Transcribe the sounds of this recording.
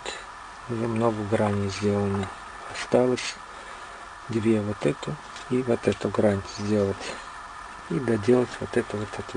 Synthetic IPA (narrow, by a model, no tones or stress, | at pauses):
t̪ʲ | zɐmnoɡəɡɾanʲɪjzʲdʲelˠənɨ | ɐst̪alˠəsʲ | d̪ʲvʲevot̪ɛt̪ʊ | ivot̪ɛt̪ʊɡɾanʲtʲɪzʲdʲe̞lˠətʲ | id̪ɐdʲe̞lˠətʲvot̪ɛt̪əvot̪ɛt̪